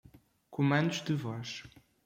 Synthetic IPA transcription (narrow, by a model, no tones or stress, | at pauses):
kumɐ̃nd̪uʒd̪ɨvɔʃ